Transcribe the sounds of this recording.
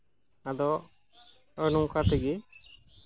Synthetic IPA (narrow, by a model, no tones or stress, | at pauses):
ad̪ɔ | ənuŋkat̪ɛɡi